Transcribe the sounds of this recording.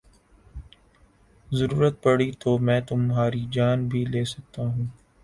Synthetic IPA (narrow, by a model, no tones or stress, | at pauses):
zɐɾuːɾət̪̚pɐɽit̪oːmɛ̃ːt̪ʊmɦaːɾid͡ʒaːnbʱileːsɐk̚t̪aɦũː